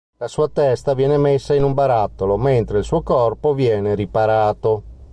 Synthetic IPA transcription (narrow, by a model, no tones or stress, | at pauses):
lasuːat̪ɛst̪avjɛːnemesːainumbaɾat̪ːoloment̪ɾeilsuːokɔrpovjɛːneɾipaɾaːt̪o